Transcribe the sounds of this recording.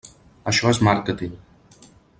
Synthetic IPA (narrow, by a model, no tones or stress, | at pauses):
əʃɔezmaɾkət̪iŋ